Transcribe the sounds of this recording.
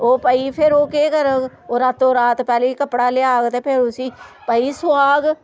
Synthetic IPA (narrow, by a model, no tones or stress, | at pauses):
oːpəiːpʰɪɾoːkeːkəɾək | oːɾat̪oːɾaːt̪pɛːleːiːkəpːɽaːlɪaːɡt̪eːpʰɪɾʊsiːpəiːsʊwaːɡ